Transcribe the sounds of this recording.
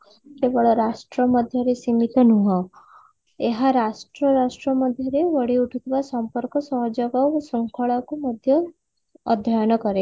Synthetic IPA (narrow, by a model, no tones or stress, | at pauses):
kebɔɭɔɾasʈɾɔmɔd̪ʱjɔɾesimit̪ɔnuɦɔ̃ | eɦaɾasʈɾɔɾasʈɾɔmɔd̪ʱjɔɾeʋɔɽiuʈʰut̪ʰibasɔmpɔɾkɔsɔɦɔd͡ʒɔɡabasɔŋkʰɔɭɔkumɔd̪ʱjɔː | d̪ʱːajɔnɔkɔɾe